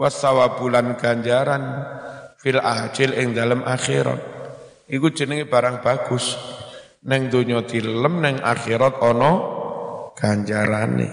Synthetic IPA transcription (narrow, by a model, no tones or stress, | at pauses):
wat̪sawab̥ulanɡ̥aɲd͡ʒaɾan | filʔḁd͡ʒɪlɪŋd̪aləmʔaxeɾa̰t̪̚ | ʔikud̥ʒ̥ə̤nɪŋeb̥aɾaŋb̥aɡ̥ʊs | nɛŋd̪oɲɔd̪̥illəmnɛŋa̰xeɾat̪̚ɔnɔ | ɡ̥aɲd͡ʒaɾanḛ